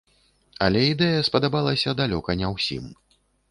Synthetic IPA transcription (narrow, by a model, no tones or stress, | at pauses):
ɐlʲɛid̪ɛjɐspɐd̪abalˠɐsʲɐd̪alʲɔkɐnʲɛwsʲḭm